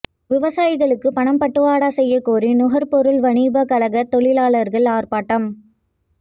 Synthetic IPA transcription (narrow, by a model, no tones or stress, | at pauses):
ʋɪʋɐsaːjɪɣɐɭɯkːɯpɐɳɐmpɐʈːɯʋaːɽaːsɛjːɐkːoːrinʊɣɐɾpɔɾɯlʋɐɳiːbɐkɐlɐɣɐt̪ːɔɭɪlaːɭɐɾɣɐɭaːrpaːʈːɐm